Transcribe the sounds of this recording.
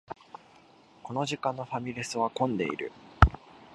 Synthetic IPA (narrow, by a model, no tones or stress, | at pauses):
ko̞no̞ʑikãnːo̞ɸamʲiɾʲisɨβakõ̞nd̪e̞̰ḭɾɯ̟